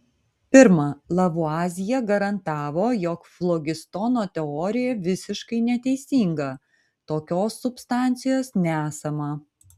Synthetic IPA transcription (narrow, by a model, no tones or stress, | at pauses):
pʲɪɾmɐlˠɐʋʊɑːzʲɪjɛɡɐɾɐnt̪ɑːʋoːjoːkflˠɔɡʲɪst̪ɔnoːt̪ʲɛɔːɾʲɪjɛʋʲɪsʲɪʃkɐɪnʲɛt̪ʲɛɪsʲiːŋɡɐ | t̪oːkʲoːsːʊpst̪ɑˑnʲt̪sʲɪjoːsnʲɛæːsɐmɐ